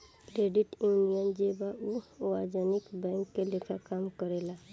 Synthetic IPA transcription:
kɾeːɖiʈjunijənd͡ʒebauwad͡ʒanikbɛ̃ŋkːelekʰakamkəɾela

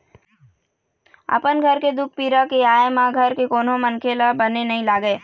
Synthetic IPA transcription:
ə̰pənɡʱɐɾked̪ʊk̚ʰpiːɾakeaːemãɡʱɐɾkekoːnõmənkʰeːlabənenɐɦĩlaːɡeː

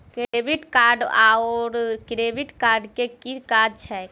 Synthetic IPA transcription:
kebiʈkaɾɖaɔɾkɾebiʈkaɾɖkekikaɖt͡ʃʰɛ

